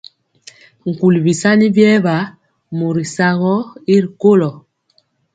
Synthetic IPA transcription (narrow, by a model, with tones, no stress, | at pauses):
ŋ̩˨ku˨li˨bi˨sa˦ni˦bjɛ˦βa˨˦ | mo˨ɾi˨sa˦ɣɔ˦i˦ɾi˨ko˦lɔ˨